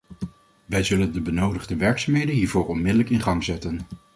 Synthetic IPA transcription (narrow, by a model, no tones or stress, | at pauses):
ʋɛjzɵləndəbənowdəχdəʋɛɹksaːmɦejdənɦiːɹvoːɹɔnmɪdələkɪnχɑŋzɛtən